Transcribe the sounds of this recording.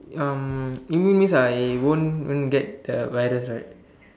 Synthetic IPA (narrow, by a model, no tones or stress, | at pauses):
ãmĩĩnmĩsawõnwõ̰nɡɛt̚dəvajɾəsɹajt̚